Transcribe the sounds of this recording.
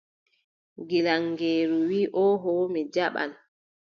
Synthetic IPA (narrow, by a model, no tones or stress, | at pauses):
ɡilaŋːɡeːɾuwiːʔɔːɦɔmɛd͡ʒaɓa̰n